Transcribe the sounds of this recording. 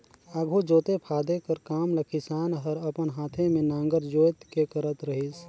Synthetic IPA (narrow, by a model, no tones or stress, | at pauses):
aːɡʱod͡ʒoːt̪epʰaːd̪ekəɾkaːmləkʰisaːnɦəɾəpənɦaːt̪ʰẽmẽnãːŋɡəɾd͡ʒoːjt̪kekəɾət̪ɾəɦis